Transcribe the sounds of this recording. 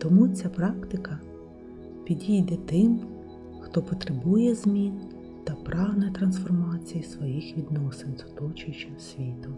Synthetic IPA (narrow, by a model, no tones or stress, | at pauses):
t̪ɔmut͡sʲapɾɑkt̪ɪkɐ | pʲid̪ʲijd̪ɛt̪ɪm | xt̪ɔpɔt̪ɾebujɛzmʲin | t̪ɐpɾɑwnɐjt̪ɾɐnsfɔrmɑt͡sʲijisʋɔjixʋʲid̪nɔsenzʊ̥t̪ɔt͡ʃʊjt͡ʃɐsʲʋʲit̪ʊ